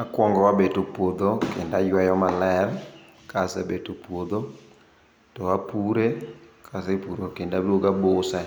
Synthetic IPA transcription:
akwɔŋɡɔwabetopwod̪okendajwajɔmalɛm | kasɛbetopwod̪o | towapuɾekʰasepuɾokendaboɡabosɛ

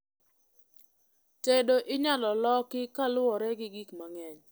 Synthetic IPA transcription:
tedoʔɪɲalɔlɔkɪkalʊɔɾɛɡɪɡikmaŋɛɲ

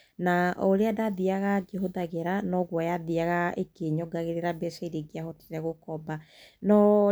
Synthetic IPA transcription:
naoɾeadaðiaɣad͡ʒɛɦoðaɣeɾanɔɣwajaðiaɣaekeɲɔɡaɣeɾeɾabɛsɛiɾeɡeaɦɔte̥ɾɛɣokɔba | nɔ

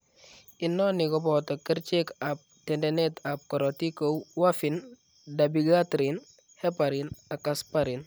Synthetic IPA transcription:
inːonikɔbɔtɔkiɾt͡ʃekap̚tendenetʰap̚kɔɾotikowwafin | dabiɡatɾin | hepaɾinakaspaɾin

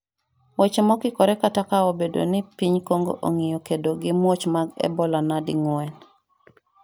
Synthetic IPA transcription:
wɛt͡ʃemɔkɪkɔɾɛkatakaobedo̰nɪpiɲkoŋɡo̰ʔoŋijokedoɡɪmwot͡ʃmaɡɛ̰bɔlanadɪŋɔɛn

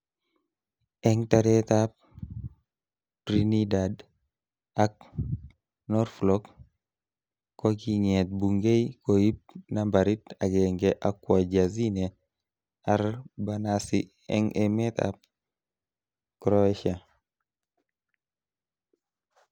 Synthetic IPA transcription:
ɛŋtaɾɛt̪ap̚ | pɾinidad | ak̚ | nɔɾflɔk | kːokiŋɛt̪̚buŋɡejkojip̚nambaɾitaɡɛŋɡɛʔakːwad͡ʒazine | aɾbanasi | ɛ̰ŋʔemɛt̪a̰p̚ | kɾɔʃa

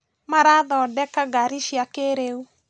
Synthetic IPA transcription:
maɾaðɔdɛkaɡaɾiʃjakeɾeu

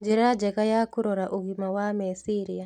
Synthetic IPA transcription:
d͡ʒiɾad͡ʒɛɣajakuɾɔɾaʔuɣimawamɛsiɾia

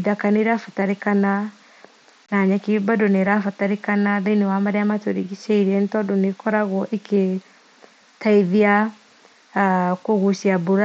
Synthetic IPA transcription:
iðakaneɾafataɾekana | naɲakibadonɛɾafataɾekanaðainewamaɾeamatoɾiɣisɛiɾiɛntɔdonekɔɾaɣwɔʔikʰe | taiðia | koɣusiabuɾa

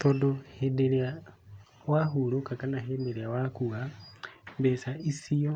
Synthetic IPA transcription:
t̪odohedeɾia | waɦuɾokakanaɦedeɾiawakua | besaʔisio

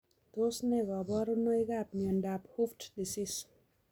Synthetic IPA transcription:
d̪osneɡʌbʌɾunʌjɡaːpniʌɳɖaphufʈdisis

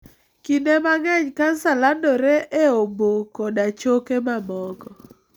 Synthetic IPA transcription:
kindemaŋɛɲkansalandɔɾeʔeobokɔdat͡ʃokemamɔɡɔ

